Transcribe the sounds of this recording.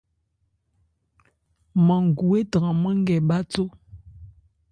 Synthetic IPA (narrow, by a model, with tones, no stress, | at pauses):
mə˨ŋ˨ɡu˨e˦tə˨ŋa˨mə˦ŋ˦ɡɛ˨ba˦t͡so˦